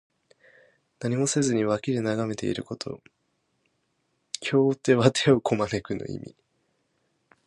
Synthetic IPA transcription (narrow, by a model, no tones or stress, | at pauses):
naɲ̟imo̞se̞zɨɲ̟iβakʲiɾenaɡame̞t̪e̞̰ḭɾɯ̟ko̞t̪ʰo̞̰ | kʲʰo̞ːt̪e̞βat̪ʰe̞okʰo̞manekɯ̟no̰ḭmʲḭ